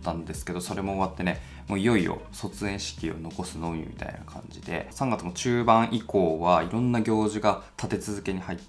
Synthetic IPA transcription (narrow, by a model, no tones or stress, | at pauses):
t̪ːãnd̪e̞sɨ̥ke̞d̪o̞so̞ɾe̞mo̞ːβat̪ːe̞ne̞ | moːjo̞io̞̰so̞t͡sɨẽ̞ɰ̃ɕi̥kʲio̞̰no̞ko̞sɨno̞ːɲ̟ḭmʲit̪a̰ḭna̰kʰã̰ɲ̟d͡ʑid̪e̞̰sãŋɡat͡sɨmot͡ɕɨːbãɰ̃ʔiko̞ːβaiɾõ̞nːaɡʲo̞ːʑiɡat̪ʰat̪e̞t͡sɨzɨke̞ɲ̟ihait̪ː